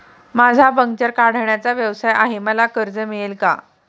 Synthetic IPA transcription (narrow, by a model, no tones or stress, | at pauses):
mad͡zʱabəŋɡt͡ɕəɾkaɽ̤ɳjat͡saʋjəʋsajaɦeməlakəɾd͡zəmiɭelka̰